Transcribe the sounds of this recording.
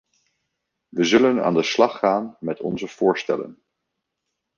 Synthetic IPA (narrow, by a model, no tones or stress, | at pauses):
ʋəzɵləna̰ːndəslɑχːaːnmɛtɔ̰nzəv̥ʊːɹstɛ̰lə̰n